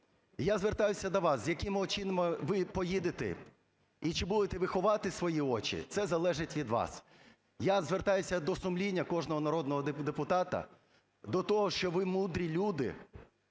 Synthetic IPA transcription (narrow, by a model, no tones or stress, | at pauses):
jazʋert̪ɑjʊsʲɐd̪ɔʋɑszʲjɐkɪmɔt͡ʃinɐmɪʋɪpɔjid̪ɪt̪ɛ̰ | it͡ʃɪbud̪et̪ɛʋɪxɔʋɑt̪ɪsʋɔjiɔt͡ʃḭt̪sɛzɐlˠɛʒɪtʲʋʲid̪ʋɑ̰s | jazʋert̪ɑjʊsʲɐd̪ɔsʊmlʲinʲːɐkɔʒnɔɦɔnɐɾɔd̪̚nɔɦɔd̪d̪epʊt̪ɑt̪ɐ̰ | d̪ɔt̪ɔɦɔʃt͡ʃɔʋɪmud̪ɾʲilʲud̪ɪ̰